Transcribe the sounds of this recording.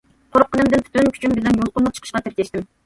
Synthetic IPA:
qʰoɾqʰːənɨmd̪ɪnpʰy̥t̪ynkʲʰy̥t͡ʃʰynbɪlɛnjolˠqʊnmˠət͡ʃʰə̥ə̥ʃqɑt̪ʰɪɾkʲʰɛʃt̪ɪm

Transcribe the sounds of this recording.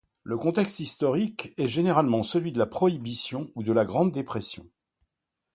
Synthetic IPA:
ləkɔ̃t̪ɛkst̪ist̪ɔʁikɛʒeneʁalmɑ̃səlɥid̪əlapχɔibisjɔ̃ud̪əlaɡʁɑ̃d̪ːepχɛsjɔ̰̃

